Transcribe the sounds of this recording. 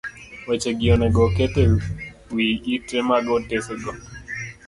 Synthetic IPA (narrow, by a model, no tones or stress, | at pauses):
wet͡ʃeɡɪɔnɛɡɔkete | wiitɾemaɡɔtesɛɡɔ